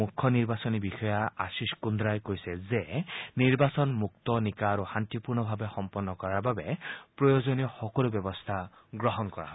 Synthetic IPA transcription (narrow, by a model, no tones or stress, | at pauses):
ukʰːɔniɹbasɔnibixɔjaasiskund̪ɾajkojsɛzeniɹbasɔnmuk̚t̪ɔnikaɾuhant̪ipuɹnɔbʱabexɔmpɔnːɔkɔɹaɹbabepɹɔjozɔnijɔxɔkɔlubjɔbɔst̪ʰa | ɡɹɔɦɔnkɔɹa̰ɦɔe